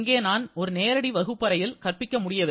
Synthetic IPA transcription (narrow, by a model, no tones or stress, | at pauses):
ŋɡeːnaːnɔɾɯneːɾɐɽiʋɐɣɯpːɐɾɐjɪlkɐrpɪkːɐmʊɽɪjɐʋɛ